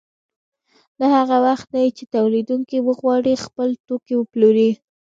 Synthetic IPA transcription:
lahaɣawaxt̪najit͡ʃet̪awlid̪uŋkiwəɣwɑɽixpəlt̪okiwəploɾi

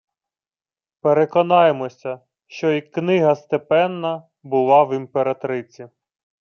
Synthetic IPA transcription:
peɾekɔnɑjemɔsʲɐ | ʃt͡ʃɔiknɪɦɐst̪epɛnːɐ | bʊlˠɑʋimpeɾɐt̪ɾɪt͡sʲi

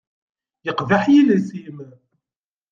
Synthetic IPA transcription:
jəqvaħjilisim

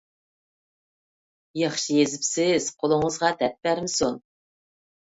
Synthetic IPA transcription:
jɑχʃɨjezɪpsɪz̥qʰolˠʊɴəzʁɑt̪ʰɛt̪̚bæɾmɪson

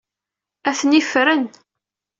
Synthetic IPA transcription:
æθnifɾən

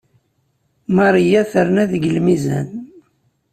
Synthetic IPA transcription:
mɑɾˤijæθəɾnæðəɡəlmizæ̰n

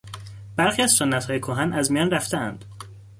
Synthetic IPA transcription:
b̥æɾxiæzsonːæt̪hɒːjekʰoɦænæzmijɒnræft̪eænd̪̥

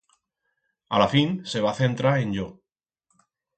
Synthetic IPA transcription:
alafinse̞β̞aθe̞nt̪ɾaɾe̞nʎo

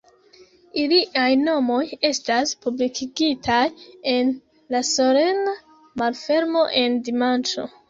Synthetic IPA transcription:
iliʔajno̞mo̞je̞staspublikʰiɡitʰaje̞n | laso̞ɾe̞na | malfe̞ɾmo̞ʔe̞ndimant͡ʃo̞̰

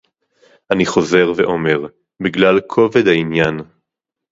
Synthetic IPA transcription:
ʔaniχo̞ze̞ʁvḛʔo̞me̞ʁ | biɡlalkʰo̞ved̪ainjan

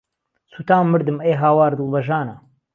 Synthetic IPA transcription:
suːt̪aːmːɨɾd̪ɨmejɦaːwaːɾd̪ɨlˠbɐʒaːnɐ

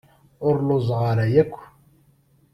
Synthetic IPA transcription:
ʊɾlʊzˤʁɑɾæjækʷː

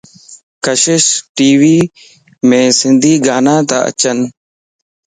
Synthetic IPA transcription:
kəʃɪʃʈiːʋiː | mẽːsɪnd̪ʱiːɡaːnãːt̪a̰ːə̰t͡ʃən

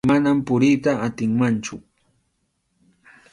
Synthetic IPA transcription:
manampʊɾɪjt̪aːt̪ɪŋmant͡ʃʊ

